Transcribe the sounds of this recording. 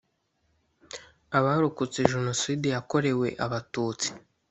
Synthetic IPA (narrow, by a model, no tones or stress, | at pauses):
aβaɾukut͡seʒuno̞sidijako̞ɾe̞we̞̰ʔaβatuːt͡si̥